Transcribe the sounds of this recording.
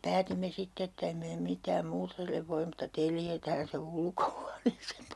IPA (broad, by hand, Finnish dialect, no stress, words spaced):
pæːtimːe sitːe etː em meː mitˑæːm muːtɑ̆ silːeʋ ʋoim mutːɑ teljetæːn se ulkohuɑneːseːm